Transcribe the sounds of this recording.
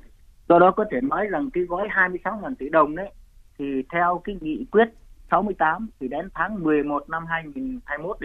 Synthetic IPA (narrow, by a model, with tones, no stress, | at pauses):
sɔ˧ɗɔ˨˦kɔ˨˦t̪ʰe˧˩nɔ˨˦jza˨˩ŋkaː˨˦jɣɔ˧˥jɦaː˧jmɨ˧əjsa˨˦wŋaː˨˩nt̪i˧˩ɗə˨˩wŋ͡mɗə˨˦jt̪ʰi˨˩t̪ʰɛ˧wkaː˨˦ŋḭ˧˨kwi˦˥ət̚sa˨˦wmɨ˧əjt̪aː˨˦mt̪ʰi˨˩ɗe˨˦nt̪ʰaː˨˦ŋmɨ˨˩əjmo˨˩t̚na˧mɦaː˧jŋi˨˩nhaː˧jmo˦˥t̚ɗ